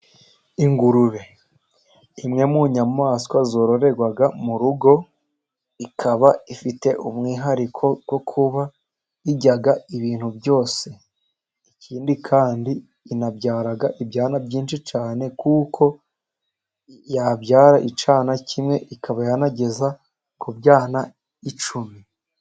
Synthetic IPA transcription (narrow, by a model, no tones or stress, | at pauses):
iŋɡuɾuɾe̞ | imŋe̞muɲamaːskwazo̞ːɾo̞ɾe̞ɡwaɡamuɾuɡo̞ | ikʰaβaifite̞ʔumŋiːɦaɾikʰo̞ɡ̥wo̞kʰuβa | iɟaɡaiβiːn̥hubjo̞ːse̞ | icʰiːndikʰaːndiː | nabɟaːɾaɡaʔibjaːnabɟiːnʃit͡ʃaːne̞kukʰo̞ | jabɟaːɾaʔit͡ʃaːnacʰimŋe̞ʔikʰaβajanaɟe̞za | kubjaːna | it͡ʃumi